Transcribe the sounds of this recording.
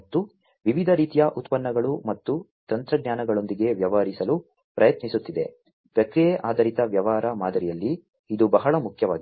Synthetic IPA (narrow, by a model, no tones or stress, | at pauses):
ɐt̪ːu | ʋiʋid̪ʱɐɾiːt̪ijɐʔut̪pɐnːɐɡɐɭumɐt̪ːut̪ɐnt̪ɾɐɡɲaːnɐɡɐɭo̞nd̪iɡe̞ʋjɐʋɐɦɐɾisɐlu | pɾɐjɐt̪nisut̪ːid̪e̞̰ | pɾɐkɾijeʔaːd̪ʱɐɾit̪ɐʋjɐʋaːɾɐmaːd̪ɐɾijɐlːiː | d̪ubɐɦɐɭɐmukʰjɐʋaːɡi